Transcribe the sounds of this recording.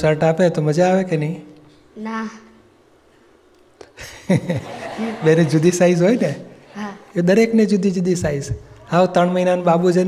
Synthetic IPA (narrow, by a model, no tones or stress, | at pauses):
səɾʈapet̪oməd͡ʒaːʋekenəi | na | bened͡ʒʊd̪ʱisaizɦojne | aed̪əɾekned͡ʒud̪ʱid͡ʒʊd̪ʱisaizaʋt̪əɳməinanɓabud͡ʒen